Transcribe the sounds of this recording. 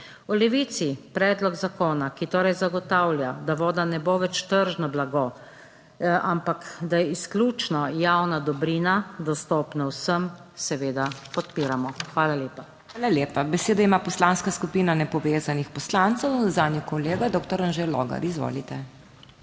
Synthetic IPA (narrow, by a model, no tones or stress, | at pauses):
ulɛʋit̪sipɾɛːd̪lɔɡzakoːnakit̪oːɾɛjzaɡɔt̪aːwlʲjad̪aʋoːd̪anɛboːʋɛt͡ʃt̪əɾʒnablaɡo | ampakd̪ajɛisklʲuːt͡ʃnɔjawnad̪ɔbɾiːnad̪ɔst̪oːpnawsəmsɛʋeːd̪apɔt̪̚piːɾamɔxʋaːlaljeːpa | aːlalʲjeːpabɛseːd̪aimaːpɔslaːnskaskupiːnanɛpɔʋeːzanixpɔslant̪sɛwzaːd̪njɔkɔleːɡad̪oːk̚t̪ɔɾənʒelɔ̰ːɡa̰ɾizʋo̰ːlit̪ɛ